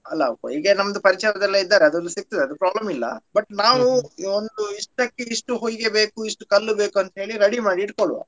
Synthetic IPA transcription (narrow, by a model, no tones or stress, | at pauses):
ɐlːɐɐko̰iːɡenɐmɐd̪upɐɾit͡ʃɐjɐd̪ɛlːɐid̪ːaːɾeɐd̪ɐlːusik̚t̪id̪eɐd̪upɾaːblɐmilːɐ̰bɐʈːnaːʋuond̪uiʂʈɐkːeiʂʈuɦojɡebe̞ːkuiʂʈukɐlːubeːkuɐnt̪ɦe̞ːɭiɾɐɽimaːɽiːʈ̚koɭʋa̰ː